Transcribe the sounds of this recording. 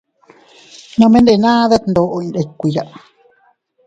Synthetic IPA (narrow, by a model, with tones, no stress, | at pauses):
nõ˦˧mẽ˦nde˧˨˧nãː˦ða˦t̪nd̪o˧ʔo˧ĩ˧nde˨˧kʷːi˧ja˨ʔ